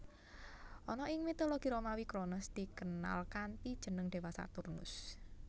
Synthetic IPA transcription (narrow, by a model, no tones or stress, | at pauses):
ʔɔnɔʔɪŋmit̪oloɡ̥i̤ɾomawikɾonəsd̪̥i̤kəna̰lkant̪id̥ʒ̥ə̤nəŋd̪̥e̤wasa̰t̪urnʊ̰s